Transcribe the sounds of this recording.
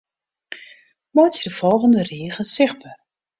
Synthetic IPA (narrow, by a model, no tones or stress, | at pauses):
motjədəvɔlˠχəndəriːχənsɪχbə